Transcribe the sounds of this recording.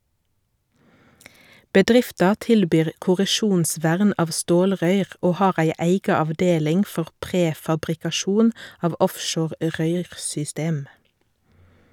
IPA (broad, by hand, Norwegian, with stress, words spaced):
bəˈdʁɪftɑ ˈtɪlbyːʁ kʊʁəˈʃuːnˌsʋæʁn ˈɑːʋ ˈstoːlˌʁœʏʁ ˈoː ˈhɑːʁ ˈæɪ ˈæɪɡɑ ɑʋˈdeːlɪŋ ˈfɔʁ ˈpʁeːfɑbʁɪkɑˌʃuːn ˈɑːʋ ˈɔfˌʃoːʁ ˈʁœʏʁsʏˌsteːm